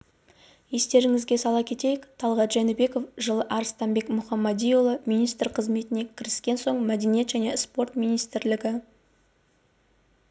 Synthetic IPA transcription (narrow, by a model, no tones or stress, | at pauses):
je̞st̪e̞ɾɪŋɪzɡʲesɑlˠɑkʲʰe̞t̪e̞jɪkt̪ʰɑlˠʁɑt̪ʒænɪbe̞ko̞fʒəlˠəʔɑɾəst̪ɑmbe̞kmʊχɑmːɑd̪ʲijolˠəmijnijst̪əɾqʰəzme̞t̪ɪne̞kʲʰɪɾɪskʲe̞nso̞ɴmæd̪enije̞t̪ʒæne̞spo̞rt̪mʲijnijst̪ɪɾlɪɡʲɪ